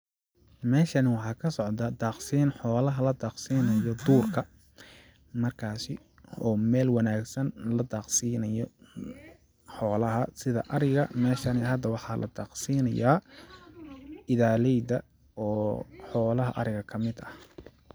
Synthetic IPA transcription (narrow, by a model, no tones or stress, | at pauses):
mɛːʃɐnɪwɑħɑːkʰɐsɔʕd̪ɐd̪aːqsiːnħɔːlɐɦɐlɐd̪aːqsiːnɐjɔd̪uːrkʰɐ | mɐrkʰaːsɪ | ɔːmɛːlwɑnaːɡsɐnlɐd̪aːqsiːnɐjɔ | ħɔːlɐɦɐsɪðɐʔɐɾɛɣɐmɛːʃɐnɪɦɐd̪ɐwɑħɑːlʔɐ̰d̪ɑːqsiːnɐjaː | ɪðaːlɛjd̪ɐ | ɔːħɔːlɐɦɐʔɐɾɪɣɐkʰɐmɪd̪ɐh